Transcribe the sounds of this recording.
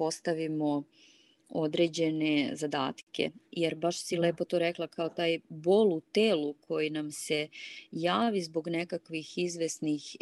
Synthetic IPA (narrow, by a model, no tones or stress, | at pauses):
o̞st̪aʋimo | o̞d̪ɾe̞ːd͡ʑe̞nezad̪a̰ːt̪kḛjeɾbaʃsile̞ːpo̞t̪oɾeklˠakʰaot̪aːjbo̞lˠut̪eːlukʰo̞jinamse̞jaːʋizbo̞ɡnekakʋixizʋe̞snix